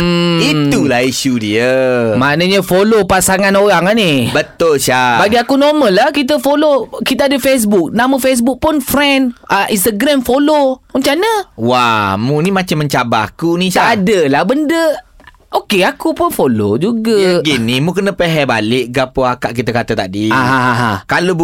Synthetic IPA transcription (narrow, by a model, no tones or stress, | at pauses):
m̩it̪ulahiʃudiəmanəɲəfolopasaŋanoɾaŋanibət̪ʊlʃabaɡiakunoməlːakit̪̬əfolokit̪əadəfes̬buk̚namə̃fes̬buk̚pʊnfɾɛnəʔinst̪aɡɾamfoloməɲt͡ʃanəwamũnimat͡ʃamːəɲt͡ʃabaakuniʃaadəlahbəndə | ʔokeakupʊnfolo̰d͡ʒuɡaɡinimukənə̃peɦɛba̰lɪʔɡapoakaʔkit̪akat̪at̪adiaɦãɦãɦã̰kalo